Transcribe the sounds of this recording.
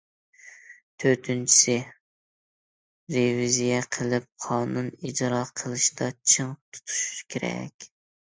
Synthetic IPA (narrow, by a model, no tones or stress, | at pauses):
t̪ʰøɾt̪ʰynt͡ʃʰi̥sɪ | ɾevizijɛqʰəlˠɪp̚qʰɑːnunid͡ʒɾɑqʰəlˠɨʃd̪ɑt͡ʃʰɨŋt̪ʰu̥t̪ʰu̥ʃu̥ʃkʲʰeɾɛ̰kʲ